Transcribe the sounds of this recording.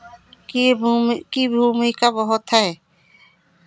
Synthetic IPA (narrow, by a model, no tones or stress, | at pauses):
k | kibʱumujkabɔɦɔt̪ʰae